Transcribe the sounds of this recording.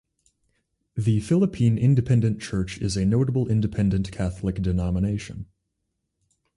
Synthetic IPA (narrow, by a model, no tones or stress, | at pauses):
ðɨfɪlˠəpʰĩnɪ̃ndɨpʰɛ̃ndɨ̃nt͡ʃʰɜ˞t͡ʃɪzɨnoʊɾəbl̩ˠɪ̃ndɨpʰɛ̃ndɨ̃nkʰæθlˠɨkd̥ɨnɑməneɪʃɨ̰̃n